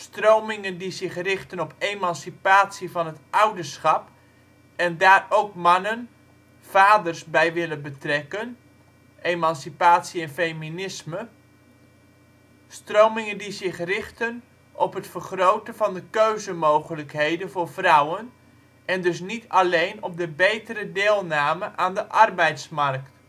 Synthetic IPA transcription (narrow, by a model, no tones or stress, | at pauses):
strowmɪŋəndizɪχrɪχtənɔpejmɑnsipaːtsivɑnɦətʔʌwdəɹsχɑp | ɛndaːrowkmɑnən | v̥aːdəɹsbɛjʋɪlənbətrɛkən | ʔemɑnsipaːtsiɛnfejminɪsmə | strowmɪŋəndizɪχrɪχtən | ʔɔpɦətfərχrowtəvɑndəkøɥzəmowχələkɦejdənvʊːɹvrʌwən | ɛndɵs̬nitʰɑlejnɔp̚dəbejtəɾədɪːlˠnaːməʔaːndəʔɑrbɛjtsmɑrk̚t